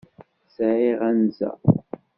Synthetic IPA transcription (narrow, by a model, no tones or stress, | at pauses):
sʕiʁænzæ̰